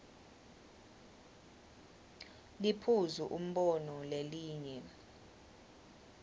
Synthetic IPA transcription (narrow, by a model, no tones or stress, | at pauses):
lipʰuzuʔum̩ɓɔnɔleliːɲɛ